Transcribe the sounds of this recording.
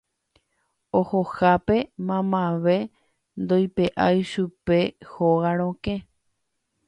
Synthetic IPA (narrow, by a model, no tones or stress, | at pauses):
ohohape̞mãmãʋe̞ | nd̪o̞jpe̞ʔajʃupe̞hoɣaɾ̃õkẽ